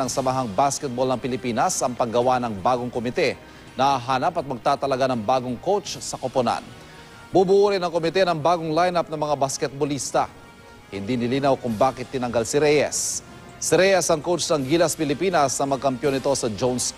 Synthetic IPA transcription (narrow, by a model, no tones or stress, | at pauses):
ɐŋsɐmɐɦaŋbaskɛt̪̚bolnɐŋpɪlɪpiːnɐsɐŋpɐŋɡɐwanɐŋbaːɡoŋkomɪt̪ɛ | nɐʔaɦaːnɐpɐt̪̚mɐɡ̚t̪aːt̪ɐlɐɡanɐŋbaːɡoŋkowt͡ʃsɐkopona̰n | bubuʔuːɾɪnɐŋkomɪt̪ɛnɐŋbaːɡoŋlajnap̚nɐmɐŋabaskɛt̪̚bolist̪ɐ | hɪnd̪inɪliːnɐwkʊŋbaːkɪt̪ːɪnɐŋɡalsɪɾɛjɛ̰sː | ɪɾɛjɛsɐŋkowt͡ʃnɐŋɡiːlɐspɪlɪpiːnɐsnɐmɐɡ̚kɐmpjo̞nɪt̪o̞sɐd͡ʒons